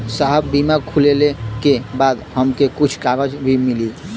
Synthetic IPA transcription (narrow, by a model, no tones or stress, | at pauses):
saɦəbːimakʰulelekebaːd̪həmkekʊt͡ʃʰkaɡəd͡ʒbʱimili